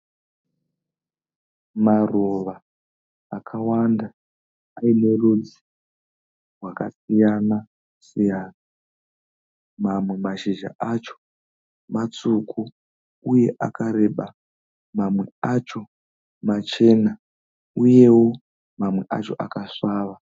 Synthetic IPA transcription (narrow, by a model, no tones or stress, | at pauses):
maroʋaː | kʰawandaː | ine̞rud͡zi̥ | rwakasijana | sijaːna | mamwe̞maʃiʒa̰ʔat͡ʃo̞̥ | mat͡sukʰu | uje̞ʔakaɾe̞ɓa | mamwe̞at͡ʃo̞ | mat͡ʃe̞na | uje̞wo̞ | mamwe̞ʔat͡ʃo̞ʔakaʂaːʋa